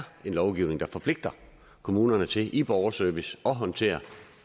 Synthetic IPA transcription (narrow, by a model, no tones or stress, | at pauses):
e̝nlɒʊɡ̥iʊne̝ŋd̥ɑ̈fɒ̽pʰle̝ɡ̥̚d̥ɐ | kʰo̝muːnɐnət͡sʰe̝ʔib̥ɒʊɐsøɐʋisɒ̽ɦɒ̽nt͡sʰe̝̰ːɐ